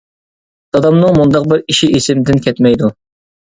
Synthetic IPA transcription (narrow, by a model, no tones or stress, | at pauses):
d̪̥ɑd̪ɑmnɨŋmund̪ɑq̚bɪɾiʃiʔesɪmd̪ɪnkʲʰɛt̪mɛjd̪u